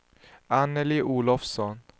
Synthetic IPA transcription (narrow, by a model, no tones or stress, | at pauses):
anəliʔuːlɔfsɔn